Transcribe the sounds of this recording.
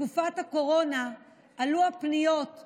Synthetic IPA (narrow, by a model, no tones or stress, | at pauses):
kufathako̞ʁo̞na | ʔːluapnijo̞t